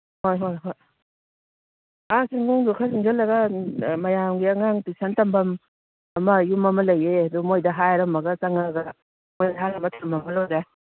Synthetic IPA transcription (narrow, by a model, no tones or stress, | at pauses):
hojɦojɦoj | asiŋɡuŋdukʰasiŋd͡ʒalːɐɡɐmɐjamɡiɐŋaŋtisantɐmbɐm | ɐmɐjumɐmɐlɐjeadumojdɐɦajɾɐmːɐɡɐt͡ʃaŋaɡa | mojdaɦajɾɐmɐtʰuɾmɐmɐlojda